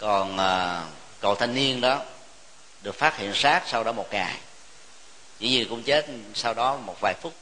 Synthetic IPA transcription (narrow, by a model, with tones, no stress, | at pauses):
kɔ˨˩nʔəː˨˩ | kə̰˧˨wt̪ʰa˧jŋ̟ni˧ənɗɔ˨˦ | ɗɨ˨˩ək̚faː˦˥t̚hḭ˧˨ənsaː˦˥t̚sa˧wɗɔ˨˦mo˨˩t̚ŋaː˨˩j | zɨ̰˧˦ɲɨ˨˩kʊ̰˧˥ŋ͡mt͡ɕe˦˥t̚sa˧wɗɔ˨˦mo˨˩t̚vaː˨˩jfʊ˦˥k͡p̚